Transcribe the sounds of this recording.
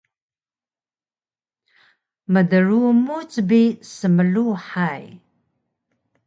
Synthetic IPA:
mədərumut͡sʼbisəməɮuħaj

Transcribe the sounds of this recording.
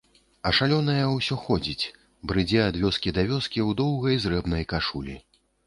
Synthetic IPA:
ɐʂalʲɔnɐjɐwsʲɔxɔd͡zʲit͡sʲ | bɾɨd͡zʲɛad̪vʲɔskʲid̪avʲɔskʲiwd̪ɔwɣɐjzɾɛbn̪ɐjkaʂulʲi

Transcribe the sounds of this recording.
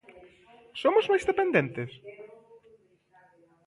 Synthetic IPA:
somozmajzðepend̪ẽnt̪es

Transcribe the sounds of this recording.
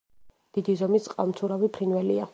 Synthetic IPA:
d̪̥id̪izɔmisʼqʼalˠmt̪sʰuɾavipʰɾinwɛlia

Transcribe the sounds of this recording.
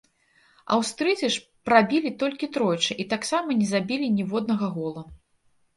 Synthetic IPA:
ɐ̰wst̪ɾɨd͡z̪ʲiʂ | pɾabʲilʲit̪ɔlʲkʲit̪ɾɔjt͡ʂɨʔit̪aksamɐnʲɛzabʲilʲinʲɛvɔd̪̚nɐɣɐɣɔlˠɐ

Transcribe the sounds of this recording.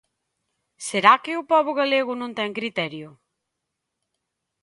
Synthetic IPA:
seɾakɪʊpɔβʊɣaleɣʊnõnt̪ɛŋkɾit̪ɛɾjʊ

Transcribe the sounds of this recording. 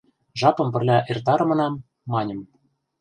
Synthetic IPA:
ʒɑpɤ̆mpɘ̆rlʲæʔert̪ɑɾɤ̆mɤ̆nɑmː | ɑnʲɤ̆m

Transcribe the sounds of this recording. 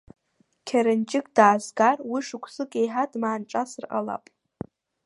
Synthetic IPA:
kʲʰaɾɨnt͡ʃʼɪkʼdaːzɡarwiʂɨkʷʰʼsɨkʼejħadmaːnʈ͡ʂʼasɨrqʼala̰pʼ

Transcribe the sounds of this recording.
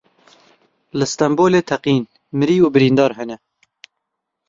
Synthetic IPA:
lɨst̪ɛmboːleːt̪ʰɛqiːn | mɨɾiːuːbɨɾiːnd̪ɑːɾɦɛnɛ

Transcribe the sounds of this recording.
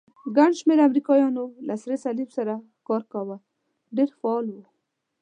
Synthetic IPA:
ɡaɳɖʃmeɾamɾikɑjɑnolasɾesalifsaɾa | kɑɾkawa | ɖeɾfaɑlwu

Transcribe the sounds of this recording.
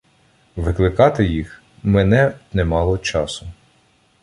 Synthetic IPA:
ʋɪklˠɪkɑt̪ɪjix | mɛnɛnɛmɑlˠɔt͡ʃɑsʊ

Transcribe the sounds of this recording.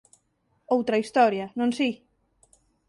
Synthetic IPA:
owt̪ɾɐist̪ɔɾjanõnsi

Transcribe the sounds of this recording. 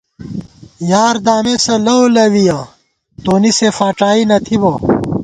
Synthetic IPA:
jaːɾd̪aːmesɐlɐolɐwija | t̪oːnisefaːʈaːinɐt̪ʰibo

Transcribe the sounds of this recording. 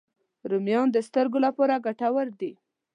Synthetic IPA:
ɾumjɑnd̪əst̪əɾɡolapɑɾaɡaʈawəɾd̪i

